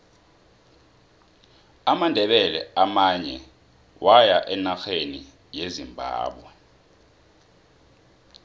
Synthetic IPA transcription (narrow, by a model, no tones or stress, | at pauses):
amandʱɛɓɛlɛ̰amaɲɛ | wajaʔɛnaxeni | jezimbʱa̰ːɓwɛ